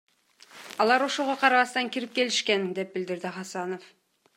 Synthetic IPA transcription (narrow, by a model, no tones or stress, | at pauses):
ɑlˠɑɾo̞ʃoʁɑqʰɑɾɑβɑst̪ɑŋkʲiɾip̚kʲe̞lɪʃkʲe̞nd̪e̞p̚bɪld̪ɪɾd̪ɪχɑsɑno̞f